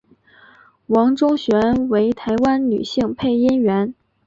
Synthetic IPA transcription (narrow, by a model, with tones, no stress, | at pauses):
wɑ˧˥ŋʈ͡ʂo˥ɕɥɛ˧˥nwe˧˥ɪt̪ʰa˧˥ɪwa˥nny̰˨˩ɕi˥˧ŋpʰe˥˩ɪi˥nɥɛ˧˥n